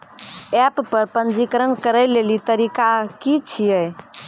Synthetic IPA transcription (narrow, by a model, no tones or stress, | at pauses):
ɛpːəɾpənd͡ʒikɾənkəɾəjlelit̪əɾikakit͡ʃʰijəj